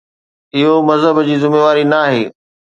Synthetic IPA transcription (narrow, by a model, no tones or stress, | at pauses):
ɪɦomɐzɦəbd͡ʑiːzɪmeːʋaːɾinaːɦeː